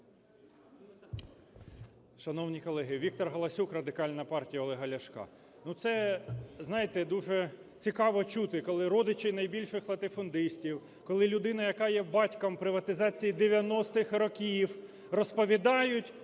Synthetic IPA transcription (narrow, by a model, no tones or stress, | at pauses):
ʃɐnɔwnʲikɔlˠɛɦɪʋʲik̚t̪ɔrɦɐlˠɐsʲukrɐd̪ɪkɑlʲnɐpɑrtʲijɐɔlˠɛɦɐlʲɐʃkɑ̰ | nut̪sɛznɑjɪt̪ɛd̪uʒɛ | t͡sʲikɑʋɔt͡ʃut̪ɪkɔlˠɪɾɔd̪ɪt͡ʃɪjnɐjbʲilʲʃɪxlˠɐt̪ɪfɔnd̪ɪsʲtʲiw | kɔlˠɪlʲʊd̪ɪnɐjɐkɑjɛbɑtʲkɐmpɾɪʋɐt̪ɪzɑt͡sʲijid̪eʋʲjɐnɔst̪ɪxrɔkʲiw | rɔspɔʋʲid̪ɑjʊtʲ